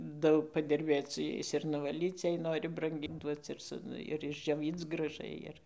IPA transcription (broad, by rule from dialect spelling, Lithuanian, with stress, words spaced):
ˈdɐʊk pɐdʲɪrʲˈbʲeːt͡s sʊ ˈjɛɪs ɪr nʊʋɐˈlʲiːt͡s jɛɪ ˈnoːrʲɪ brɐŋʲˈɡʲiːn ˈduɔt͡s ɪr ˈsʊ ˈnʊ ɪr ɪʒʲd͡ʒʲoːˈʋʲiːt͡s ɡrɐˈʒɐɪ ɪr